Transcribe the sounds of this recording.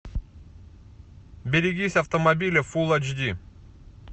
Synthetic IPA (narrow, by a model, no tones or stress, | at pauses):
bʲɪɾʲɪɡʲisʲɐft̪əmɐbʲilʲɪfulˠɐt͡ʃd̪ʲi